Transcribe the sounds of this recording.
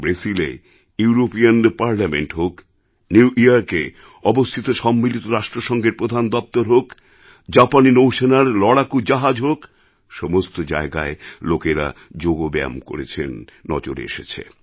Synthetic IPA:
bɾesilḛ | uuɾopianpaɾlameɳʈɦok | niuʔiaɾke | ɔbost̪ʰit̪oʃɔmːilit̪oɾaʃʈɾoʃɔŋɡeɾpɾod̪ʱand̪ɔp̚t̪oɾɦok | d͡ʑapaninowʃenaɾlɔɽakud͡ʑaɦad͡ʑɦok | ʃɔmost̪od͡ʑa̰eɡa̰elokeɾa̰d͡ʑoɡobɛ̰mko̰ɾet͡ɕʰḛnːɔ̰d͡ʑo̰ɾḛʃet͡ɕʰḛ

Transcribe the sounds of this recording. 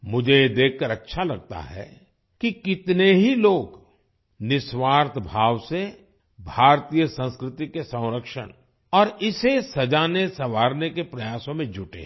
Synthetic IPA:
mʊd͡ʒʱejed̪eːkʰkəɾɐtːʃʰalɐɡ̚t̪a̰ɦɛ̰ | kikɪt̪neɦiloːɡ | nɪswaːɾt̪ʰbʱaːʋse | bʱaːɾt̪ijəsə̃nskɾɪt̪ikesə̃wɾəkʃə̰ñ | ɔːɾɪsesɐd͡ʒaːnesɐʋaːɾnekepɾɐjaːsõmẽd͡ʒʱʊʈḛː

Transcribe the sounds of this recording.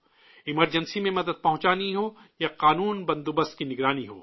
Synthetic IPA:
ɪməɾd͡ʒənsimẽmɐd̪əd̪̚pɐɦʊ̃t͡ʃaːniɦoːjaqaːnuːnbɐ̃nd̪ubəst̪̚kinɪɡɾaːniɦo̰ː

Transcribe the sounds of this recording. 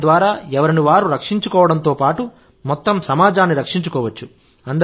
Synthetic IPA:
d̪ʋaːɾaːɛʋɐɾiniʋaːɾuɾɐkʂiɲt͡ʃukɔːʋɐɽɐnt̪oːpaːʈu | mɔt̪ːɐmsɐmaːd͡ʒaːnːiɾɐkʂiɲt͡ʃukɔːʋɐt͡ʃːu | ɐnd̪ɐ

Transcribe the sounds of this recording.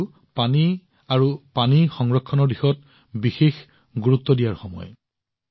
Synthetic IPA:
pani | aɹupanixɔŋɹɔkʰːɔnɔɹdixɔt̚ | bixex | ɡuɹutːɔdijaɹxɔmɔ̰j

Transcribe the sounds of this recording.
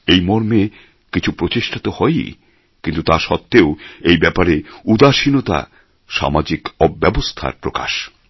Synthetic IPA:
ejmɔɾme | kit͡ɕʰupɾot͡ɕiʃʈʰat̪ohɔj | kint̪ut̪aɾʃɔt̪ːeoejbɛpaɾeud̪aʃinot̪a̰ | ʃa̰mad͡ʑikɔbːɛbost̪ʰa̰ɾpɾoka̰ʃ

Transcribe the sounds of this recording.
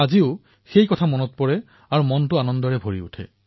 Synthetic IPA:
aziʊ | xejkɔtʰamɔnɔt̚pɔɹɛ | aɹumɔntʊanɔndɔɹɛbʱoɹḭṵtʰɛ̰

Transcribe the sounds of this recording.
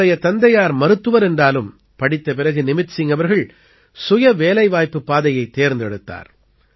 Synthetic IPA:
ɐjɐt̪ɐnd̪ɐjaːɾmɐɾɯt̪ːɯʋɐɾɛndraːlɯm | pɐɽɪt̪ːɐp̬ɪɾɐɣɯnɪmɪʈsɪŋɡɐʋɐɾɣɐɭ | sʊjɐʋeːlɐɪʋaːjpːɯpːaːðɐjɐɪt̪ːeːɾnd̪ɛɽɯt̪ːa̰ːɾ

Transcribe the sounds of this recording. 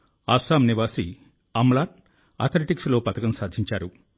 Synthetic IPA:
aːsaːmniʋaːsi | ɐmlaːn | ɐ̰t̪ʰɐleʈikslo̞ːpɐt̪ɐkɐmsaːd̪ʱiɲt͡ʃaːɾu

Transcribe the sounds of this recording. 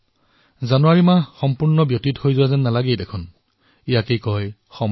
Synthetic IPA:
zanʊwaɹimaxɔmpuɹnɔbjotithojzʊwazɛnːalaɡejdekʰʊn | ijakejkɔj | xɔm

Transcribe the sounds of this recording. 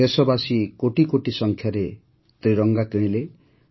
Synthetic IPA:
esʌbasikoʈikoʈisʌŋkʰjaɾe | t̪riɾʌŋɡakẽle

